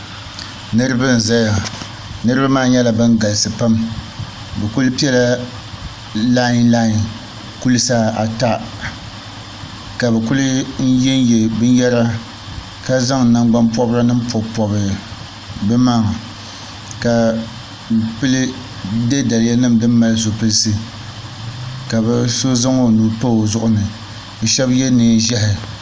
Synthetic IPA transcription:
nɨ˦ɾɨ˦bɨ˦n̩˨za˦ja˨ | nɨ˦ɾɨ˦ba˦maː˦˨ɲɛ˦la˨bɨ˦n˦ɡa˨lsɨ˨pa˦m | bɛ˨ku˦lɨ˦pi˦ɛ˦la˦ | la˦ɲ˦laː˦˨ɲ˨ | ku˦lɨ˦sa˦a˨ta˦ | ka˨bɛ˨ku˦lɨ˦n̩˦jɛ˦n˦jɛ˨bɨ˦n˦jɛ˦ɾa˦ | ka˦za˦ŋ˨na˨ŋɡ͡ba˦mpɔ˦bɾa˦nɨ˦m˦pɔ˨pɔ˨bɨ˨ | bɛ˦ma˦˨ŋ˨ | ka˨ | pɨ˦lɨ˦ | de˦da˨lɪ˦ja˦nɨ˦mdɨ˦mː˦a˦lɨ˦s̬o˨pɨ˦lsɨ˦ | ka˨bɛ˦so˦za˦ŋo˨nu˨po˦˨zʊ˦ʔʊ˨nɨ˨ | bɛ˨ʃɛ˦bjɛ˦nɨ˨n˨ʒɛ˦ɦɪ˨

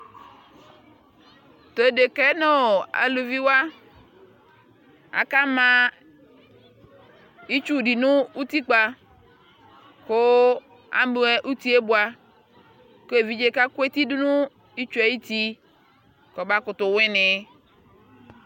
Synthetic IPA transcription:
t̪o˨e˨ɖe˨kɛ˦no˦o˨a̰˨lu˨vi˦wa˦ | a̰˨ka˦mã˦ | i˦t͡ʃu˦˨ɖi˨nũ˦u˦t̪i˦k͡pa˦ | ko˦ | a̰˦mu˦e˦ʔu˦t̪i˦e˦bu˦a˦ | ko˦e˨vi˦d͡ʒe˦ka˦ko˦e˦t̪i˦du˦nũ˦ | i˦t͡ʃu˦e˨i˦t̪i˦ | kɔ˨ba˦kʊ˨t̪ʊ˨wẽ˦nɪ˨

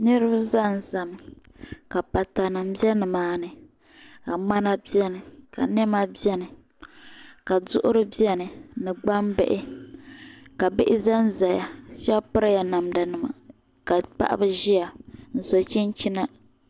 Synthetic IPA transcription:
nɨ˦ɾɨ˦ba˦za˦n˨za˨m˨ | ka˨pa˨ta˨nɨ˨m˨bi˦ɛ˦nɨ˨maː˨˦nɨ˨ | ka˨ŋ͡ma˦na˦bi˦ɛ˦nɨ˨ka̰˨nɛ˦ma˦bi˦ɛ˦nɨ˨ | ka˨dʊ˦ʔʊ˦ɾɨ˦bi˦ɛ˦nɨ˨nɨ˨ɡ͡ba˦mbɛ̰˦ʔɪ˦ | ka˨bɨ˦ʔɪ˦za˦n˦za˨ja˨ʃɛ˦lpɨ˦ɾa˦ja˨na˨mda˨nɨ˨ma̰˨ | ka˨pa̰˦ʔa̰˦bɨ˦ʒi˦a˨n̩˨so˨t͡ʃi˦n˦t͡ʃi˦na˦

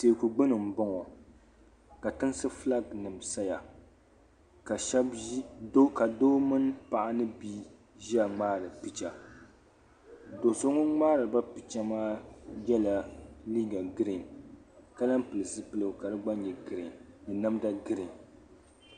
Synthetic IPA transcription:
teː˨ku˨ɡ͡bɨ˦nɨ˨m̩˨bɔ˦ŋɔ˨ | ka˨tɨ˦nsɨ˦fla˦ɡnɨ˨msa˦ja˨ | ka˨ʃɛ˦bo˦ka˨doː˦mɨ˦npa˨ʔa˦nɨ˦biː˦ | ʒi˦a˨ŋ͡maː˦ɾɨ˨pi˨t͡ʃa˨ | do˨so˦ŋʊ˦ŋ͡maː˦ɾɨ˨ba˦pi˨t͡ʃa˦maː˦jɛ˦la˨liː˦ɡa˨ɡɨ˦ɾi˨n | ka˦la˦mpɨ˨lɨ˨sɨ˦pɨ˦lɨ˨ka˨dɨ˦ɡ͡ba˦ɲɛ˨ɡɨ˨ɾɪ˨ŋnɛ˨na˦mda˦ɡɨ˦ɾɪ˨ŋ

